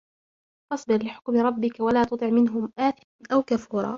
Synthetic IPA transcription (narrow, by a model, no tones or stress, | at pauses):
fɑsˤbɨɾlɪħʊ̥kmɪɾˤɑbːɪkawalaːt̪ʊt̪ˤɨʕmɪnɦʊmʔaːθɪ | ʔawkafuːɾˤɑ̰ː